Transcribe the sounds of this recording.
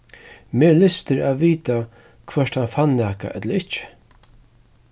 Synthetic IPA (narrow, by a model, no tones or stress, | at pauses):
meːlɪst̪ɪɾaːʋiːt̪a | kʰvɛʂt̪hanfanːaːka̰ʔɛt̪ləɾɪht͡ʃɪ̥